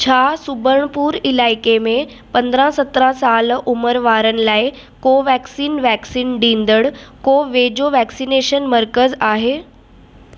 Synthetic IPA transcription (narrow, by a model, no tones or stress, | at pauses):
t͡ɕʰaːsʊbʱəɽ̃əpuːɾɪlaːɪkemẽ | pɐ̃nd̪ɾãsɐt̪ɾãsaːlʊməɾʋaːɾənɪ̆laːɪ | koːʋɛːksiːnʋɛːksiːnɖĩːnd̪əɽkoːʋeːd͡ʑoʋɛːksineːʃənməɾkəzaːɦeː